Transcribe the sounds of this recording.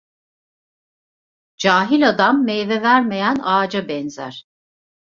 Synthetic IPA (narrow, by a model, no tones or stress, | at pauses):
d͡ʒaːɦilʲad̪amːɛjvɛvæɾmejænaːd͡ʒabɛnzæ̰ɾ̥